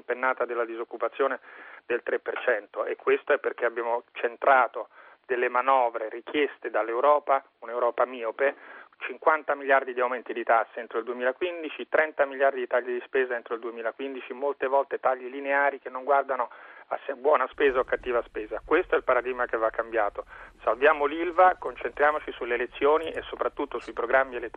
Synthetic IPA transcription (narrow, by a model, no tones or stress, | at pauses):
mpenːaːt̪ad̪elːad̪izokːupat̪sːjoːned̪elt̪ɾepːert͡ʃɛnt̪oʔekːwest̪oɛpːerkeabjaːmot͡ʃent̪ɾaːt̪o | d̪̥elːemanɔːvɾerikjest̪ed̪alːewɾɔːpa | unewɾɔːpamiːopɛt͡ʃiŋkwant̪amiljard̪id̪iawmɛnt̪id̪it̪asːient̪ɾoild̪uemiːlakwind̪it͡ʃit̪ɾɛnt̪amiljard̪id̪it̪aʎːid̪ispeːzaent̪ɾoild̪uemiːlakwind̪it͡ʃimolt̪evɔlt̪et̪aʎːilineaːɾikenːoŋɡward̪anoasːebwɔːnaspeːzaokːat̪ːiːvaspeːzakwest̪oɛlpaɾad̪iɡmakevːakːambjaːt̪osalvjaːmolilvakont͡ʃent̪ɾjaːmot͡ʃisuleːlet̪sːjoːniʔesːopɾat̪ːut̪ːosuipɾoɡɾamːielet̪ː